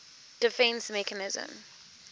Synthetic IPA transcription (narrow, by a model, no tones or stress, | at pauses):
d̥ɪfɛ̃nsmɛkənɪzə̰̃m